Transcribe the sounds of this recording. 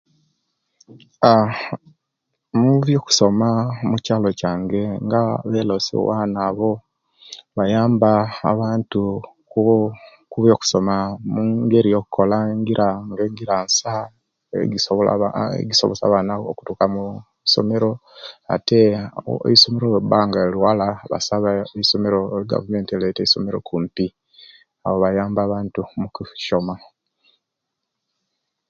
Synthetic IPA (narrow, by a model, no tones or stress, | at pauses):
a | muβjo̞ːku̥so̞mamucaːlo̞caːŋɡe̞ŋɡaβelosḭwaːnaːβo̞ | βajaːmba̰ːβaːntu | ku | kuβjoku̥somamuŋɡe̞ɾijo̞kukʰolaeŋɡiɾʔaŋɡeːŋɡiɾansa | ḛɡis | ɡiso̞̰βosa̰βanaoku̥tukamu | so̰me̞ɾo̞a̰tḛḛiso̞me̞ɾo̞ebaːŋɡaluwalaβa̰saβaeiso̞me̞ɾoɡa̰vume̞ːntieleteiso̞me̞ɾo̞̰kʰuːmpi | aβoβajaːmbaːβaːntumukuʃo̞ma